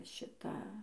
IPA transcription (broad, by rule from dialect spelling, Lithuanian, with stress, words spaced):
ˈʃʲɪtɐ